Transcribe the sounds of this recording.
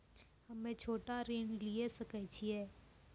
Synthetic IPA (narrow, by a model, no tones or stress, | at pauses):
hɐmẽt͡ʃʰoːʈaɾeːnliesəkət͡ʃʰiɛː